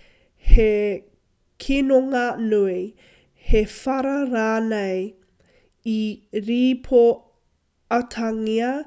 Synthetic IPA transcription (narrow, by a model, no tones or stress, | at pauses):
he | kʰinoŋɐnui | hefɐɾɐɾaːnɐj | iɾiːpʰo | ɐtʰɐŋiɐ